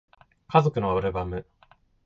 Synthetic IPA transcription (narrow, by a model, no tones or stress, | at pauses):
kazo̞kɯ̟noβɯɾɯbamɯ̟